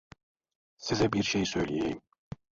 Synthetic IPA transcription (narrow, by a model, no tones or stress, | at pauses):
sizɛbiɾʃejsøjlʲijḛjim